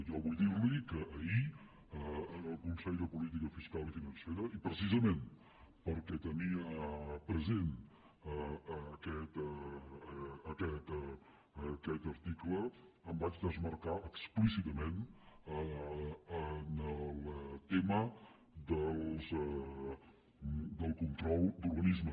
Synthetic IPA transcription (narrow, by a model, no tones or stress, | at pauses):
ʒɔβujd̪iɾlikəʔːi | əənəlˠkunsɛʎd̪əpulit̪̬ikəfiskalifinənseɾəipɾəsizəmen | pəɾkɛt̪əniəpɾəzen | əkɛt̪ | əkɛt̪ | əkɛt̪əɾt̪iklə | əmbad͡ʒd̪əzməɾkaʔəksplis̬it̪əmenə | ənəlˠt̪emə | d̪əlˠzə | d̪əlˠkunt̪ɾɔlˠd̪uɾβənizmə